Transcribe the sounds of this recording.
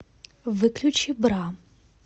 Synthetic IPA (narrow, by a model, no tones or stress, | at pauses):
ʋɪklʲʊt͡ʃibɾɑ